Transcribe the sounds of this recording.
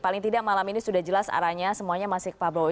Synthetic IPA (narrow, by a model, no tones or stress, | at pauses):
palɪŋt̪idaʔmalaminisudahd͡ʒəlasa̰ɾaɲasəmuaɲamasɪk̚pablo